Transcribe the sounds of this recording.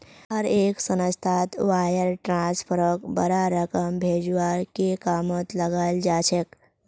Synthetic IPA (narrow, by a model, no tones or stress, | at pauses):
ɦəɾeːksənəst̪ʰaːt̪ʋaːjəɾʈɾãːnspʰəɾəkbəɾaɾəkəmbʱeːd͡ʒuaːɾkekaːmot̪ləɡald͡ʒaːt͡ʃʰek